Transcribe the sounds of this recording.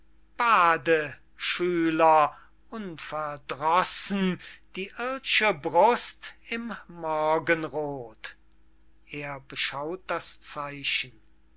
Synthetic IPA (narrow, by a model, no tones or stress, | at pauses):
b̥aːdə | ʃyːlɐ | ʔʊnfɛɐdʁɔsn̩d̥iːʔɪɐdʃəbʁʊstɪmːɔɐɡənʁoːt | ʔeːɐbəʃaʊt̚d̥ast͡saɪɕən̩